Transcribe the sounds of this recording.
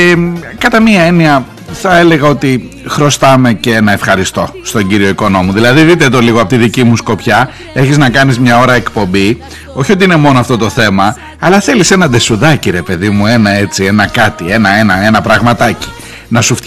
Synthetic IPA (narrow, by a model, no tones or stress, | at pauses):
kɐt̪ɐmiɐe̞niɐ | θɐe̞le̞ɣɐo̞t̪i | xɾo̞st̪ɐme̞ceenɐe̞fxɐɾist̪o̞st̪o̞ɲɟiɾio̞iko̞no̞muðilɐðiðit̪et̪o̞liɣoɐpo̞t̪iðicimusko̞pçɐ | e̞çiznɐkɐnizmɲɐo̞ɾɐekpo̞mbi | o̞çio̞t̪̬iine̞mo̞noɐft̪o̞t̪oθe̞mɐː | lɐθe̞lise̞nɐd̪e̞suðɐciɾe̞pe̞ðimue̞nɐe̞t͡sie̞nɐkɐt̪ie̞nɐe̞nɐe̞nɐpɾɐɣmɐt̪ɐci̥ | nɐsuf